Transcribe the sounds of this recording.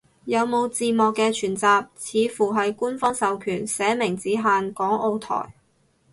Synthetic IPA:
jɐ˨˧wmo˨˧wt͡siː˨˧mɔː˨˧kːɛː˧t͡ʃʰyː˨˩nt͡saː˨˧p̚t͡sʰiː˨˧fuː˨˩ɦɐ˨jkuː˥nfɔː˥ŋsɐ˨wkʰyː˨˩nsɛː˨˥mɪ˨˩ŋt͡siː˨˥ɦaː˨˧nkɔː˨˥ŋʔo˧wt̪ʰɔ̰ː˨˩j

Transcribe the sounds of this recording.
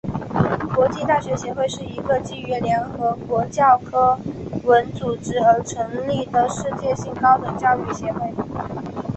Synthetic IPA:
kwɔ˧˥t͡ɕi˥˧t̪a˥˩ɕɥɛ˧˥ɕjɛ˧˥xwe˥˧ɪʂɻ̩˥˩i˧˥ɡə˧t͡ɕi˥˩ɛ˧˥ljɛ˧˥nxɤ˧˥kwɔ˧˥t͡ɕjɑ˥˩ʊkʰɤ˥wə˧˥nt͡su˨˩ʈ͡ʂɻ̩˥ə˧˥ʈ͡ʂʰɤ˧˥ŋli˥˩d̪ə˩ʂɻ̩˥˧t͡ɕjɛ˥˧ɕi˥˩ŋkɑ˥ʊt̪ɤ˨˩ŋt͡ɕjɑ˥˧ʊy˥˩ɕjɛ˧˥xwe˥˩ɪ

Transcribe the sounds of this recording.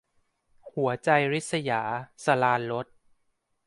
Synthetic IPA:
hu˩˦ɐt͡ɕa˧jɾi˦˥t̪̚sa˧ja̰ː˩˦sa˧laː˧nlo˦˥t̪̚

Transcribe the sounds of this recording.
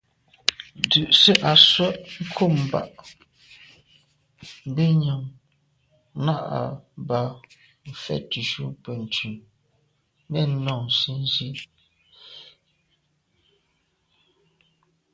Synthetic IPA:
dʉ˨ʔsi˦ʔa˨swɛ˦ʔŋ̩˦kʰo˦˨m̩˨ba̰˨ʔ | m̩˦be˦ɲa˨ŋ | na˦ʔa̰˨ba˨ | m̩˨fɛ̰˦˨tu˨ʃu˦pə˨n̩˨tʉ˨m | nɛ˦˨n̩˦nɔ˦˨si˦n˦zi˦

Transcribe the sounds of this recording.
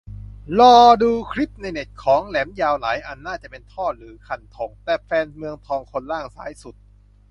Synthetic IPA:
lɔː˧˩duː˧kʰɾi˦˥p̚na˧jne˨˩t̪̚kʰɔː˩˦ŋlɛː˩˦mjaː˧wlaː˩˦jʔa˧˩nːaː˥˩t͡ɕa˨˩pe˧nt̪ʰɔː˥˩ɾɯː˩˦kʰa˧˩nt̪ʰo˨˩˦ŋt̪ɛː˨˩fɛː˧nmɯ˧əŋt̪ʰɔː˧ŋkʰo˧nlaː˥˩ŋsa̰ː˩˦jsu˨˩t̪̚

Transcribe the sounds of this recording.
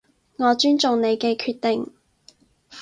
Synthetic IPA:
ŋɔː˨˧t͡ʃyː˥nt͡ʃʊ˨ŋne˨˧jkɛː˧kʰyː˧t̪̚e˨˩ŋ

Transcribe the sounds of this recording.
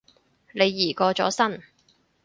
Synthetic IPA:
ne˨˧jːiː˨˩kɔː˧t͡ʃɔ̰ː˨˥sɐ˥n

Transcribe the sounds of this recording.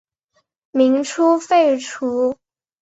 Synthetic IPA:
mi˧˥ŋʈ͡ʂʰu˥fe˥˩ɪʈ͡ʂʰu˧˥

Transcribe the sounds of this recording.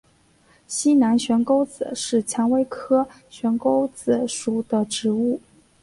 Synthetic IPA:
ɕi˥na˧˥nɕɥɛ˧˥nko˥ʊt͡sɹ̩˨˩ʂɻ̩˥˩t͡ɕʰjɑ˧˥ŋwe˥ɪkʰɤ˥ | ɕɥɛ˧˥nko˥ʊt͡sɹ̩˨˩ʂu˨˩d̪ə˧ʈ͡ʂɻ̩˧˥u˥˩

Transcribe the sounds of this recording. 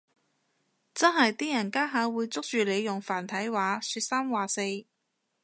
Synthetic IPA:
t͡sɐ˥nɦɐ˨jt̪iː˥jɐ˨˩nkaː˥ɦaː˨˧wuː˨˧jt͡sʊ˥k̚t͡ʃyː˨le˨˧jjʊ˨˩ŋfaː˨˩nt̪ʰɐ˨˥jwaː˨˧˥syː˧t̚saː˥mwaː˨˩se˧j

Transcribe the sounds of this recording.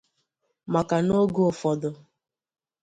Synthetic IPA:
ma˨ka˨no˦ɡo˦ʊ˨fɔ˨dʊ˨

